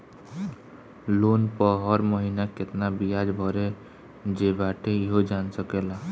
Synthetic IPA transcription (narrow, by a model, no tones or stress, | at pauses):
lonpəɦɔɾməɦinaket̪nabijad͡ʒbʱɔɾe | d͡ʒebaʈeiɦod͡ʒansəkela